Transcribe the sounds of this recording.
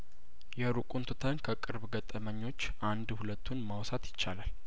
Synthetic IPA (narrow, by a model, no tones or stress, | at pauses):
jɛɾukʼunt̪ʰut̪ʰənkʰəkʼɨɾbɡət̪ʼːəməɲːo̞t͡ʃːʔand̪hulət̪ʰːunmawsat̪jɪt͡ʃːalal